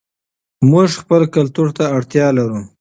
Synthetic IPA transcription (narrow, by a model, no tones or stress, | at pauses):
muʐxpəlkalt̪uɾt̪aːɽt̪jɑlaɾu